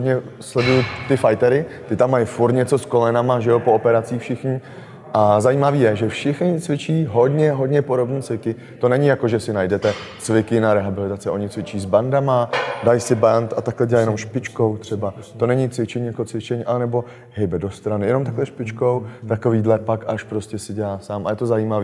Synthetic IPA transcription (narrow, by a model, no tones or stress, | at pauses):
ɦodɲɛslɛdujʊt̪ɪfajt̪ɛɾɪt̪ɪt̪amːajfuɾt̪ɲɛt͡so̞sko̞lɛnamaʒɛjopoopɛɾat͡siːxfʃɪxɲɪ | ʔazajiːmaviːjɛʒɛfʃɪxɲɪt͡svɪt͡ʃiːɦo̞dɲɛɦo̞dɲɛpoɾo̞bniːt͡svɪkɪ | t̪o̞nɛɲɪjako̞ʒɛsɪnajdɛt̪ɛt͡svɪkɪnaɾɛɦabɪlɪt̪at͡sɪʔo̞ɲɪt͡svɪt͡ʃiːzbandamadajsɪbant̪at̪aklɛɟɛlajɛno̞mʃpɪt͡ʃko̞wt̪r̝̥ɛbat̪o̞nɛɲɪt͡svɪt͡ʃɛɲiːjako̞t͡svɪt͡ʃɛɲiʔalɛnɛbo̞ | ɦɛjbɛdo̞st̪ɾanɪjɛno̞mt̪aklɛʃpɪt͡ʃko̞wt̪ako̞viːdlɛpakʔaʃpɾoscɛsɪɟɛlaːsaːmʔa̰jɛt̪ozajiːmaviː